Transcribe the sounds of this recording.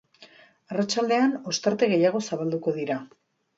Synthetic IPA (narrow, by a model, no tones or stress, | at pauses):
arat͡ʃald̪e̞ano̞st̪aɾt̪e̞ɣ̞e̞jaɣ̞o̞saβald̪uko̞ðiɾa